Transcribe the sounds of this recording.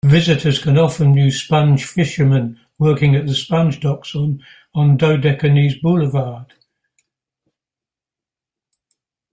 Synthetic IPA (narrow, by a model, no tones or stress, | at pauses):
vɪzɪtʰəz̥kʰə̃nɒfənjʉːspãnʒ̥fɪʃəmə̃n | wɜˑkɪ̃ŋəʔðəspãnʒdɒksən | ə̃ndəʊdɛkəniːzbʊləvɑːd̥